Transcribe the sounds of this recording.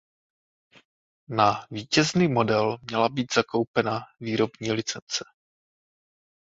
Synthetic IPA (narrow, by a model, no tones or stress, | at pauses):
naviːcɛzniːmo̞dɛlmɲɛlabiːd̪z̥ako̞wpɛnaviːɾo̞bɲiːlɪt͡sɛnt͡sɛ̥